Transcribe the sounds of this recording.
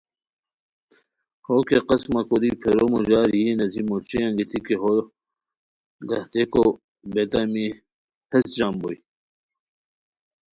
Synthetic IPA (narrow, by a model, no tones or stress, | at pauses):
hokeqɐsmɐkod̪ipʰeɾomoʑaːɾienɐzimot͡ʃejãŋɡit̪ʰikeɦo | ɡɐht̪eko | bet̪ami | hɐsd͡ʑaːmboi